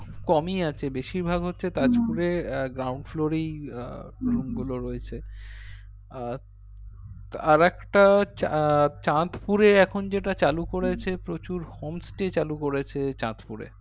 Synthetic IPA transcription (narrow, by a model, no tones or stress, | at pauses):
kɔmiat͡ɕʰebeʃiɾbʱaɡɦotːɕʰet̪ad͡ʑpuɾeɡɾawɳɖfloɾej | ɾumɡuloɾoet͡ɕʰe | aɾɛkʈat͡ɕat͡ɕãt̪puɾeɛkʰond͡ʑeʈat͡ɕalukoɾet͡ɕʰepɾot͡ɕuɾhomsʈet͡ɕalukoɾet͡ɕʰet͡ɕã̰t̪puɾḛ